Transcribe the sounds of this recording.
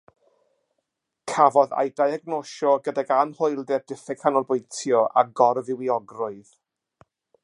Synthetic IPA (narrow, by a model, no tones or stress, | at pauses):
kʰavɔða̰jdajaɡnoʃɔɡədaɡanhojlˠdɛdɪθɛkʰanɔlˠbʊjntʰjɔʔaɡɔrvɪwiɔɡrʊɨð̥